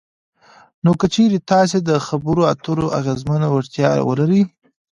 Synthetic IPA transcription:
nokət͡ʃeɾet̪ɑs̬ed̪əxabəɾoat̪uɾoʔa̰ɣezmanawaɾt̪jɑ̰wə̰laɾəj

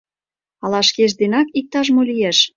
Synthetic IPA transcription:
ɑlɑʃkeʃ̬d̪enɑkik̚t̪ɑʃmolijeʃ

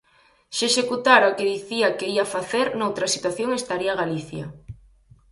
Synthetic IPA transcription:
ʃeʃekut̪aɾakeðiθiakeiafaθeɾnowt̪ɾɐsit̪waθjoŋest̪aɾiaɣaliθjɐ̰

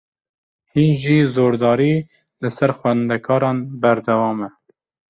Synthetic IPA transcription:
hinʒiːzoːɾd̪ɑːɾiː | lɨsɛɾxʷwɛnd̪ɛkʰɑːɾɑːnbæɾd̪ɛwɑːmɛ

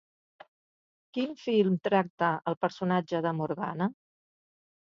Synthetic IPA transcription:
kinfilˠmt̪ɾak̚t̪əəlˠpəɾsunad͡ʒəðəmuɾɣa̰nə

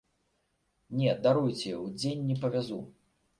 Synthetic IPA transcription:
nʲɛd̪aɾujt͡sʲɛwd͡zʲenʲːɛpɐvʲazu

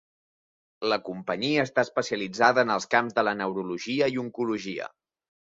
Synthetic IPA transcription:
ləkumpəɲiəːst̪aəspəsiəlid͡zaðəːnəlˠskamzðələnəwɾuluʒiəiuŋkuluʒiə̰

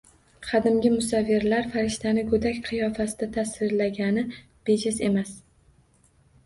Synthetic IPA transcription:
qʰɑd̪ɪmɡʲɪmʊsavːɪɾlaɾfaɾɪʃt̪ʰanɪkʰɵd̪akʲqʰɨjɒfasɪd̪at̪ʰasɾɪɾlaɡʲanɪ | b̥ed͡ʒɪse̞mas

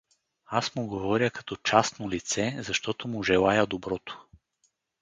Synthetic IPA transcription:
asmʊɡovɔɾjəkɐ̥t̪ɔt͡ʃasnolit̪sɛzɐʃt̪ɔt̪ʊmʊʒɛlˠajəd̪obɾɔt̪o̥

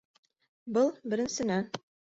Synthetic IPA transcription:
bɤlˠbɘ̆ɾɘ̆nsɘ̆næn

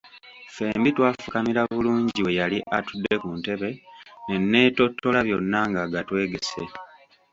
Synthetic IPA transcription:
fe̞ːmbitwaːfukamiɾaβuluːɲɟiwe̞jaliʔatudːe̞kunte̞βe̞ne̞nːe̞ːto̞tʰːo̞laβjo̞nːaŋɡaɡatwe̞ːɡe̞se̞̰

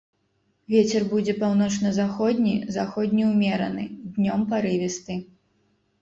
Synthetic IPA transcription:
vʲet͡sʲɛrbud͡zʲɛpawnɔt͡ʂnɐzaxɔd̪ʲnʲizaxɔd̪ʲnʲiwmʲɛɾɐ̰nɨd̪ʲnʲɔmpaɾɨvʲɛst̪ɨ

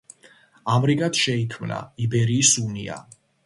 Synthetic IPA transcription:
amɾikʼat̪ʃɛikʰmna̰ibɛɾiːsunḭa̰

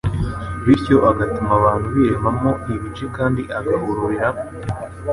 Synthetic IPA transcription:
βiɾco̞ʔaɡatumaβaːn̥huβiɾeβamo̞iβit͡ʃekaːndiʔaɡaɦuɾuɾiɾa

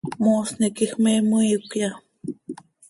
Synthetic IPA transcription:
mosnekixmeməjukja

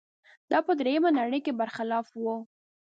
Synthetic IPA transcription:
d̪̥ɑpəd̪ɾejamanaɽəjkebaɾxɪlɑfwu

